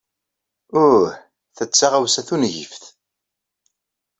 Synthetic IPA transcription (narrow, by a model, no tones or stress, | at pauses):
ʊɾɾ | θət͡sːaʁawsæθunʝḭfθ